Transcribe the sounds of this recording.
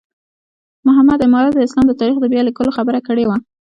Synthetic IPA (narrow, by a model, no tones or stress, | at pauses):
mʊɦamːad̪ɪmɑɾat̪̚d̪əɪslɑmd̪ət̪ɑɾixd̪əbjɑlikəloxabəɾakəɽewa